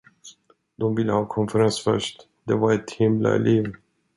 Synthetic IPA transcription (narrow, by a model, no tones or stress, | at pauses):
d̪̥ɔmvɪlːəhɑːkʰɔnfɛɾansfœ̰ʂʈ | d̪ɛvaɾɛt̪hɪmla̰ɛ̰lʔeːv